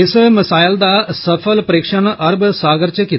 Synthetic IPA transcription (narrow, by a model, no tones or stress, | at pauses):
esɐmɐsaːjɐld̪aːsɐfʰɐlpɐɾiːkʂɐnɐʔɐɾbɨsaːɡɐɾt͡ɕɐkːi